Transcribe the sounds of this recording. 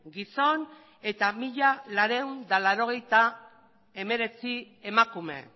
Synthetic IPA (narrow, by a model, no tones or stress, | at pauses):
ɡiso̞n | e̞t̪amiʎalaɾe̞und̪alaɾo̞ɣ̞e̞jt̪a | e̞me̞ɾe̞t͡si | e̞makume̞̰